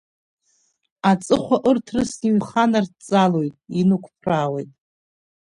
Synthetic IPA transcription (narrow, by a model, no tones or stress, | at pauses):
at͡sʼɨχʷaʔɨrtʰrɨsiɥχanart͡sʼalojtʼinukʷʰpʰrawejtʼ